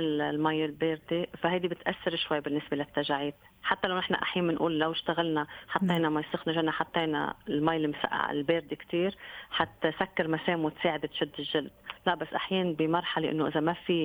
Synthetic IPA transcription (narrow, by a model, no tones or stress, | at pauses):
ɪllmajːɪlbeːɾd̪efahajd̪ibɪt̪ʔasːɪɾʃwajːbɪnːɪsbelat̪ːaʒaʕiːt̪ | ħat̪ːalawnɪħna̰ʔa̰ħjaːnːɪnʔṵːlːawɪʃt̪aɣalnaħɑt̪ˤːeːnamajsˤɪxnaʒanːaħɑt̪ˤːeːna̰lmajlmsa̰ʔa̰ɪ̰lbeːɾd̪ikt̪iːɾħat̪sakːɑɾmaseːmwɪt̪seːʕɪd̪ɪt̪ʃʊd̪ːɪʒʒɪld̪laʔbasːʔaħjaːnbimɑɾˤħaleʔɪ̰nːoʔɪzamafi